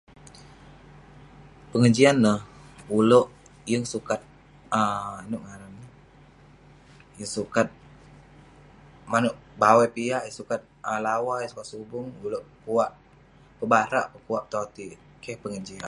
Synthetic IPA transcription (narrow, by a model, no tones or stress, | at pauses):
pəŋəd͡ʒianːəhuloʔ | jəŋsukat̪̚ | əanʊʔŋaɾannə | jəŋsukat̪̚ | manʊʔbawapiaʔjəŋsukat̪̚əlawajəŋsu̥kat̪̚subʊŋuloʔpəkuwaʔ | pəbaɾa̰ʔpəkuaʔp̚t̪oat̪i | kɛhpəŋəd͡ʒia̰n